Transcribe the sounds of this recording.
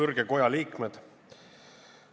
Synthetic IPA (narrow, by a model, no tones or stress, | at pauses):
ɤrɡ̥eko̞jɑliːkmed̪̥